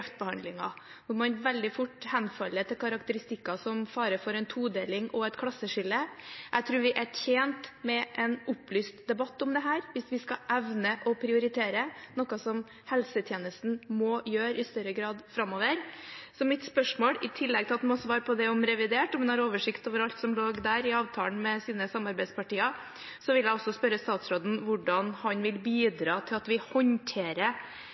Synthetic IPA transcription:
ft̪̚bəhɑnd̪lɪŋɑ̰ | ʊmɑnʋɛld̪ɪfʊʈːhɛnfɑlːəʈ̪ʰɪlkʰɑɾɑkt̪əɾɪst̪ɪkːɑsɔmfɑːɾəfɔɾɛɪnt̪ʰuːd̪eːlɪŋɔɛt̪kʰɽɑsəʂɪlːəʔæɪt̪ʰɾʉːɾʋɪʔæçeːnt̪mɛʔɛnʊpːlyːst̪d̪ɛbɑt̪ːʊmd̪ɛɦæːɾʋɪsʋɪskɑʔɛʋnəʔɔpʰɾɪʊɾɪt̪ʰeːɾənɔkɑsɔm | hɛlsət̪ʰjeːnəst̪n̩mɔːjøːɾɪst̪œɾəɡɾɑːd̪fɾɑmːoːʋəɾsɔmɪt̪spœʂmoːlɪt̪ʰɪlːɛɡ̚t̪ɪlɑt̪mɛɔsɔʋɑːɾpʰɔd̪ɛɔmɾɛʋɪd̪eːʈɔmʋɛnhɑɾoːʋəʂɪkt̪oːʋəɾɑlt̪sɔmloːɡd̪æɾɪɑːʋt̪ʰɑːlnmɛsiːnəsɑmɑɾbæɪspɑʈiːɑ | sɔʋɪljæɪɔsːɔspœɾəst̪ɑːt̪sɾoːd̪n̩ʋʊɖɑnhɑnʋɪlbiːd̪ɾɑːt̪ʰɪlɑt̪ʋɪhɔnt̪ʰeːɾə

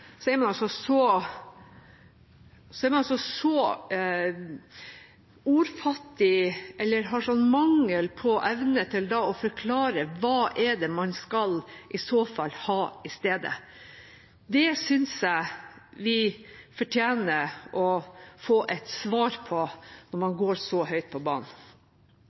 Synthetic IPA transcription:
sɔɛɾmɑnɑlsɔsɔ | sɔɛɾmɑnɑlsɔsɔ | uːɾfɑt̪ːɪʔɛlːəɾɦɑʂɔnːmɑŋːəlpʰɔʔɛʋnət̪ʰɪld̪ɑɔfɔɾkʰlɑːɾəʋɑːʔɛɖɛmɑnskɑlʔɪsoːfɑlːhɑːɪst̪eːd̪ə̰ | d̪ɛsʏnsjæɪʋɪfɔʈʰjæːnəɾʔɔfoːʔɛt̪sʋɑːɾpʰɔnɔɾmɑnɡoːɾsɔɦœʏt̪̚pʰɔbɑ̰ːɳ

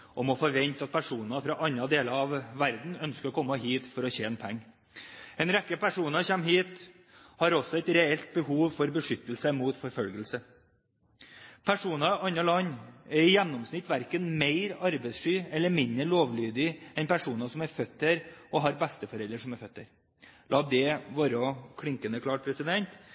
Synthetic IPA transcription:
ʔɔmɔfoːʋɛnt̪ɑt̪̚pʰæʂuːnɑfɾɑʔɑnɑd̪eːləɾɑʋːæɾd̪n̩œnskəɾɔkʰɔmːəɦiːt̪fɔɾɔçeːnpʰɛŋː | ɛnɾɛkːəpʰæʂuːnɑçɛmːɦiːt̪ | hɑɾɔsɔɛɪt̪ɾɛɛlt̪̚bəhuːʋfɔɾbəʂʏt̪ːəlsəmuːt̪fɔɾfœlɡəlsə | pʰæʂuːnɑɑnːɑlɑnɛɾɪjɛnːɔmsnɪt̪ːʋæɾkənmeɪɾɑɾbɛɪsʂyːɛlːəɾmɪnd̪əɾɭoːʋlyːd̪ɪɛnpʰæʂuːnɑsɔmæɾfœt̪ːeɾɔɦɑɾbɛst̪əfɔɾɛlːəɾʂɔmæɾfœt̪ːə̰ɾ | lɑːd̪ɛʋɑːɾɔkʰɽɪŋkənəkʰlɑːʈ̚pʰɾɛsɪd̪ɛnt̪

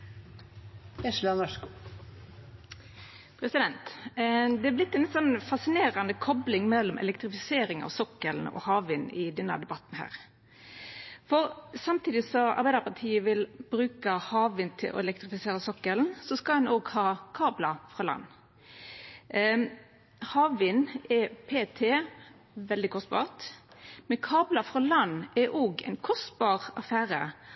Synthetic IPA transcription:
jɛʃlɑnœʂku | pʰɾɛsɪd̪ɛnt̪d̪ɛæblɪt̪ːɛnsɔnːfɑsɪneːʁɑnəkʰɔblɪŋmɛlːɔmʔɛ̰lɛkt̪ʁɪfɪseːɾɪŋɑ̰ʋsɔkːəln̩ɔ̰hɑːʋʋiːnɪd̪ɛnːə̰d̪ɛbɑt̪ːnhæ̰ːʁ | fɔʁsɑmt̪ʰiːd̪ɪsɔɑ̰ʁbæɪd̪əʁpʰɑʁt̪ʰiːəʋɪlb̥ɾʉːkəhɑːʋʋɪːnt̪ʰɪ̰lʔɔ̰ɛlɛk̚t̪ʁɪfɪseːɾəsɔkːəln̩sɔskɑɛnoːɡhɑːkʰɑːblɑfʁɑːlɑ̰nː | hɑːʋʋiːnɛpʰeːt̪ʰeː | ʋɛld̪ɪkʰɔst̪̚bɑ̰ːʁt̪mɛnkʰɑːblɑfʁɑlɑnːɛʔoːɡɛ̰ɪnkʰɔst̪bɑːʁɑfæːɾə

